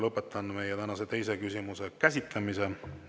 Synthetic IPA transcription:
lɤpːˑet̪ːˑɑnme̞jːet̪ænɑset̪e̞jse̞kysimuse̞kæsʲit̪ˑlɑmise̞

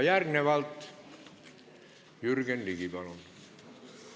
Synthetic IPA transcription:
jærneʋælt̪ | jyrkenlikipɑlon

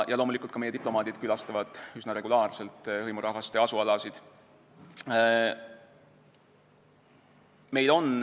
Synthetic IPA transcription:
jɑlo̞ːmulikult̪kɑmejet̪iplo̞mɑːd̪̥id̪̥kylɑst̪ɑvɑd̪̥ysnɑɾe̞ɡulɑːrse̞lt̪ːˑhɤjmuɾɑhɦvɑst̪e̞ɑsuɑlɑsid̪̥ | me̞jlo̞n

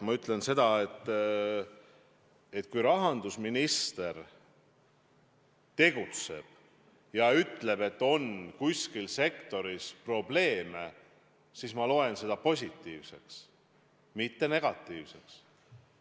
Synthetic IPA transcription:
mɑyt̪ːˑle̞nse̞d̪ɑet̪ː | et̪ːkujɾɑɦɑnd̪̥usminist̪e̞r | t̪e̞ɡ̥ut̪se̞̰b̥ | jɑyt̪ːˑle̞b̥e̞t̪ːo̞nkusʲkilse̞kt̪o̞ɾispro̞ble̞ːme | sismɑlo̞e̞nse̞d̪ɑpo̞sʲit̪ːiːvse̞ks | mit̪ːe̞ne̞ɡ̥ɑt̪ːˑiːvse̞ks

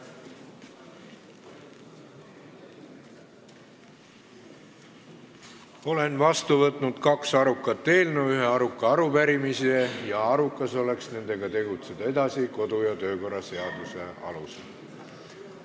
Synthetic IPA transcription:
o̞le̞nvɑst̪uvɤt̪ˑnud̪̥kɑksɑɾukːˑɑt̪ːe̞ːlnuyɦe̞ɑɾukˑːɑɑɾupæɾimisejɑɑɾukːˑɑso̞le̞ksne̞nd̪̥e̞ɡɑt̪e̞ɡut̪sed̪̥ɑe̞d̪̥ɑsiko̞d̪ujɑt̪ø̞ːko̞rːɑse̞ɑd̪̥use̞ɑ̰lusel

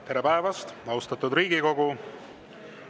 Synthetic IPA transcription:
t̪e̞ɾepæevɑst̪ɑwst̪ɑt̪ːˑud̪ɾiːɡiko̞ɡu

